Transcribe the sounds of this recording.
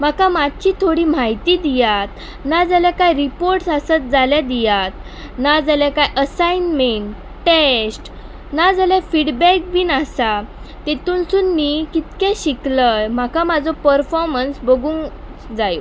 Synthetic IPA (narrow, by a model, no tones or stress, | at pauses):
m̤akãmad̪̚t͡ɕiːt̪ʰoɽiːm̤aɦit̪id̪ijat̪ | nad͡zaljakajɾipoɾʈsasət̪̚d͡zaljad̪ijat̪̚ | nad͡zaljakajʔəsainmeɳʈ | ʈesʈ | nad͡zaljafiɽbɛk̚binasat̪et̪unsunmikit̪kɛ̃ɕikləjm̤akamad͡zɔpəɾfɔɾmənsbəɡuŋ | d͡zajo